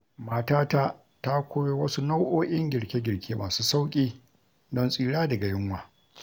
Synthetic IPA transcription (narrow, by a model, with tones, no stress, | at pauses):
maː˨taː˦ta˦ | ta˦kʷoː˦jo˦wɐ˦su˦na˦wʔoː˦ʔʲɪ˦ŋɡʲɪ˨ɽkʲe˦ɡʲɪ˨ɽkʲʰeː˦maː˨suː˦sa˦wkʲʼiː˦ | dɔ˦nsʼiː˦ɽaː˦dɐ˨ɡa˨jɪ˦ŋwaː˨